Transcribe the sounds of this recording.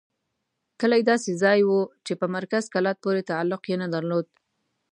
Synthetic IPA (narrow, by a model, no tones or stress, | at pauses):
kəlajed̪ɑsezɑjwut͡ʃepəmaɾkazkalɑt̪̚poɾet̪aalːʊqjenad̪aɾlod̪̚